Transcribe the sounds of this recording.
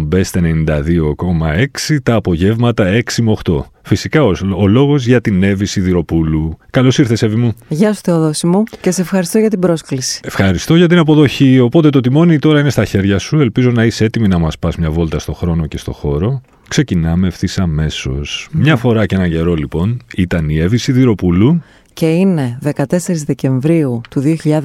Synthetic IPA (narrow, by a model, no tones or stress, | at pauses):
be̞st̪enenind̪ɐðio̞ko̞mɐe̞ksit̪ɐːpo̞ʝe̞vmɐt̪ɐe̞ksimoxt̪o̞̰ | fisikɐoolo̞ɣo̞zʝɐt̪ine̞visiðiɾo̞pulukɐlo̞siɾθesevimuʝɐsu̥t̪eoðosimucesɐsefxɐɾist̪oʝɐt̪ibɾo̞sklisi̥efxɐɾist̪o̞ʝɐt̪̬inɐpo̞ðo̞çio̞po̞t̪et̪o̞t̪̬imo̞nit̪o̞ɾɐine̞st̪ɐçe̞ɾʝɐsue̞lpizo̞nɐisee̞t̪iminɐmɐspɐzmɲɐvo̞lt̪ɐst̪o̞xɾo̞no̞ce̞st̪o̞̰xo̞ɾo̞ | kse̞cinɐmefθisɐme̞so̞̰smɲɐfo̞ɾɐceenɐɲɟe̞ɾo̞lipo̞nit̪ɐnie̞visiðiɾo̞pulu | ce̞ine̞ðe̞kɐt̪e̞se̞ɾizðece̞ɱvɾiut̪uðioçiʎɐð